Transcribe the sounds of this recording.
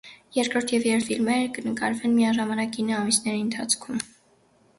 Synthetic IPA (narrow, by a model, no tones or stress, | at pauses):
jɛɾkɾɔɾt̪ʰjɛvjɛɾt̪filmɛɾəkənəkɑɾvɛnmijɑʒɑmɑnɑkɡinəɑmisnɛɾiənt̪ʰɑt͡sʰkʰum